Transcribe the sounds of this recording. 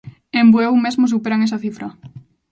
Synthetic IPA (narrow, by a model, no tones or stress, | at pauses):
embuewmezmos̬upeɾaŋesaθifɾɐ